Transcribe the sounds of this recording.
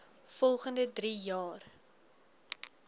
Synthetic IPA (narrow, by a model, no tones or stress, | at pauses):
fɔlˠχəndədrijɑːr